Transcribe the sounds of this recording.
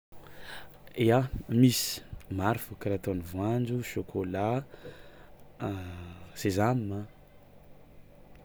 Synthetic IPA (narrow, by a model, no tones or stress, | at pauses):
eamisi̥maɾfukaɾat̪onivwand͡ʒuʃokʰola | z̥ezamimə